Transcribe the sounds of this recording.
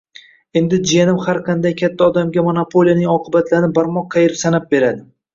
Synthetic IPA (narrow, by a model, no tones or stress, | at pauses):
e̞nd̪ɪd͡ʒijanɪmhaɾqʰɑnd̪ajkʲʰat̪ʰːaɒd̪amɡʲamonapʰo̞lˠijanɪŋɒqʰɨbat̪ʰlaɾnɪbaɾmɒqʰːɑjeɾsanap̚be̞ɾad̪ɪ